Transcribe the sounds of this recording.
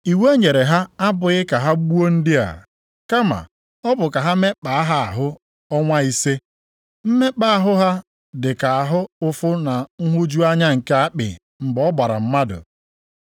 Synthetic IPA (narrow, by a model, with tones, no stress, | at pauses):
i˨we˦ɲe˨ɾe˨ɦa˦a˦bʊ˨ɣɪ˦ka˨ɦa˦ɡ͡bu˦o˦n̩˦dɪ˦a̰˨ | ka˦ma̰˨ | ɔ˦bʊ˨ka˨ɦa˦me˦k͡pa˨a˦ɦa˦a̰˨ɦʊ˦ | ɔ˦ŋʷa˦i˦se˦ | m̩˦me˦k͡pa˦a˨ɦʊ˦ɦa˦ | dɪ˨ka˨a˨ɦʊ˦ʊ˦fʊ˦na˨ŋ̩˦ɦʊ˦d͡ʒu˦a˦ɲa˦ŋ̩˨ke˦a˦k͡pɪ̰˨ | m̩˨bɔ˦ba˨ɾa̰˨m̩˦ma˦dʊ̰˨